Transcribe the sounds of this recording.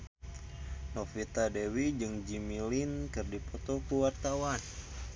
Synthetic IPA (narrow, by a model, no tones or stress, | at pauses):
nofit̪adewid͡ʒɨŋd͡ʒimilinkɨrdipɔt̪ɔkuwart̪awan